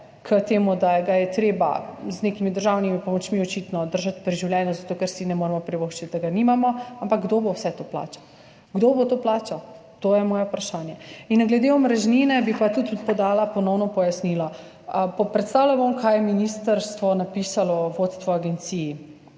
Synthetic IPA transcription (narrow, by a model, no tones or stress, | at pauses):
kət̪eːmud̪aɡajɛt̪ɾeːba̰znekimid̪əɾʒawnimipɔmɔt͡ʃmiɔt͡ʃit̪nɔd̪əɾʒat̪pɾiʒiwlʲjɛnjɔzat̪okɛɾsinɛmoːɾɛmɔpɾiboxt͡ʃit̪̚d̪aɡanimamɔampak̚ɡd̪obowsɛt̪opla̰ːt͡ʃḁ | ɡd̪obot̪oːplaːt͡ʃa | t̪ojɛmɔːjɛupɾaʃanjɛinɡlɛd̪eɔmɾɛʒninɛbipat̪ut̪pɔd̪aːlapɔnɔwnɔpɔjasnilɔ | əpɔpɾɛt̪st̪aːwlabomkʰaːjɛminist̪əɾst̪ʋɔnapisalɔʋot̪st̪ʋɔaɡɛnt̪siji